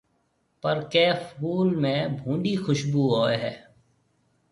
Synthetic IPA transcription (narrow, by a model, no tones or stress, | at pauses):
pəɾkɛːfuːlmẽːbʱũːɳɖiːxʊʃbuːɦoːeɦɛː